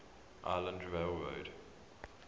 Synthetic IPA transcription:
ʔa̰ɪlə̃ndɹeɪlˠɹə̰ʊd̥

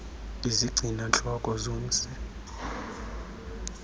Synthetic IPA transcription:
iziɡ͡ǀʱinant͡ɬʼɔkʼɔzom̩sɛ

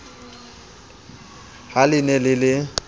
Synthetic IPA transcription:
halɪnɛlɪlɪ

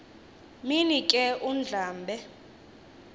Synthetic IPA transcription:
minikʼɛʔun̩d͡ɮʱaːmbʱɛ

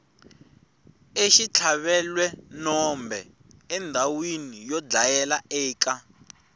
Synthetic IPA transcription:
eʃit͡ɬʰaβɛlwɛnɔmbʱɛ | ɛndʱawinijɔd͡ɮajɛlaɛːka

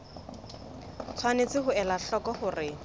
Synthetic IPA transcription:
t͡sʰwanet͡sɪɦʊɛlaɬɔkɔhʊrɪ

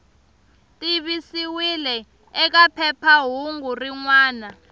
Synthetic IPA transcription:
tʼiɓisiwilɛ | ɛk̬apʰɛpʰaɦuŋɡuriŋwaːna

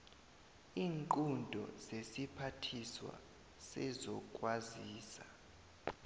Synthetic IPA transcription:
iːŋǃʼundʱɔ̰zesipʰatʰiswa̰ | sɛzɔkʼwaziːsa

